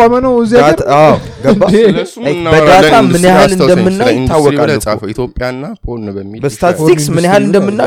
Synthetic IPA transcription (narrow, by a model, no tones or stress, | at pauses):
amənəwziaaɡəba | bəd̪at̪ʰamɨnjahalɨnd̪əmːɨnːajɪt̪ʰːawːɔkʼasʼaoit̪jopʼjanːapʰoəibəsst̪ʰat̪siksmɨnjhalɨnd̪əmːɨnːa